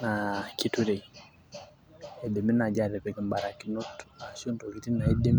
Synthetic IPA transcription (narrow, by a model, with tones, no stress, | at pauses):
na˨ki˨tu˦ɾɛ˨ | ɛ˨dɛ˨mi˦na˨d͡ʒa˦˨ɾɛ˨pɛ˨kɛ˨mba˨ɾa˨ki˨nɔ˦ta˨sɔ˦nto˨ki˨ti˦na˨ɛ˦de˦m˦